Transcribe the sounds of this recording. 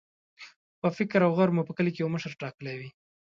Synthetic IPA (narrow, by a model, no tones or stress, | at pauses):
pəfɪkɾawɣaɾmupəkəlikejawməʃəɾʈɑkəlawi